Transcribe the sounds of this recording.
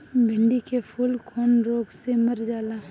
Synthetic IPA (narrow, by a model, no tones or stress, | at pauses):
bʱɪɳɖikepʰʊlkʰoːnɾoːɡseməɾd͡ʒaːla